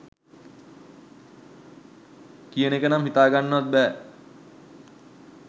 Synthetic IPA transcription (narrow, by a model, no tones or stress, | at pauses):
kijənekənamɦit̪aːɡanːəʋat̪̚bɛː